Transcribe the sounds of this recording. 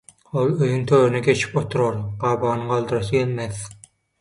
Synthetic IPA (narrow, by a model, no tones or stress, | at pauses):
olˠøjyŋt̪ʰøːɾynɛɡe̞t͡ʃʰi̥pot̪ʰuɾoɾɢ̥ɑːbɑːnɯqɑlˠd̪ɯɾɑsɯjelʲmeθ